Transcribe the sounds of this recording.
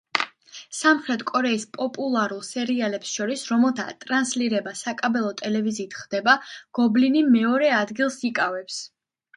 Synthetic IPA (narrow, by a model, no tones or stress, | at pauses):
samχɾɛt̪ʰkʼɔɾɛispʼɔpʼulˠaɾulˠsɛɾialɛpsʃɔɾisɾɔmɛlˠt̪ʰa̰t̪ʼɾansliɾɛbasakʼabɛlˠɔt̪ʼɛlɛviziːt̪ʰχd̪ɛbaɡ̥ɔblinimɛɔɾɛad̪ɡilˠsikʼavɛps